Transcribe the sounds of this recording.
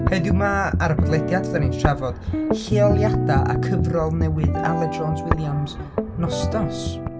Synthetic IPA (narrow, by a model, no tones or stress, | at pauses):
hedɪwmaaɾəbɔdlˠɛdjadvɛninʃavɔd̥heɔlˠjad̥aʔa̰kʰəvrɔlˠnɛwɨða̰lˠɛd͡ʒɔnswɪlˠjamznɔstɔs